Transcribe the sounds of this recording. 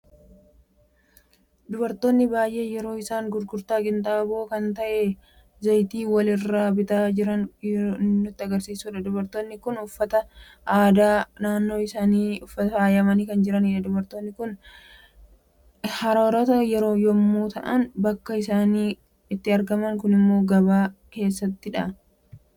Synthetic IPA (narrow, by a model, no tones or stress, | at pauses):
d̪ʊbɐɾt̪o̞ːnːɪbaːjʔe̞ːjɛɾo̞ːɪsaːŋɡʊɾɡʊɾt̪aːkʼɪnt̪ʼaːbo̞ːkɐnt̪ɐʔɛ | zɐjt̪iːwɐlɪrːaːbɪt̪aːd͡ʒɪɾɐn | nːʊt̪ːɪɐɡɐɾsiːsuːᶑɐd̪ʊbɐɾt̪o̞ːnːɪkʊnʊfːɐt̪ɐ | ʔaːd̪aːnaːnːo̞ːɪsaːniːʊfːɐt̪ɐaːjɐmɐniːkɐnd͡ʒɪɾɐnɪᶑɐd̪ʊbɐɾt̪oːnːɪkʊn | hɐɾɐɾɐt̪ɐjɛɾo̞ːjɔmːuːt̪ɐʔɐnbɐkːɐɪsaːniː | ɪt̪ːɪɐɾɡɐmɐŋkʊnɪmːo̞ːɡɐbaːke̞ːsːɐt̪ːɪᶑɐ